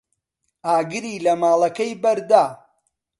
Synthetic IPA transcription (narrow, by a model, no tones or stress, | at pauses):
aːɡɨɾiːlɐmaːlˠɐkɐjbɐɾd̪aː